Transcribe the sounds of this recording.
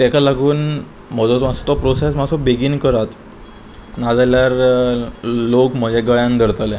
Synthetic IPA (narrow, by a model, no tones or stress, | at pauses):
t̪ɛkalaɡuːn | mɔd͡zɔt̪masɔt̪ɔpɾosesmasɔbeɡiːnkəɾat̪ | nad͡zaljaɾ | lokm̤əd͡ʑeɡəɭjãnd̪ʱəɾt̪ale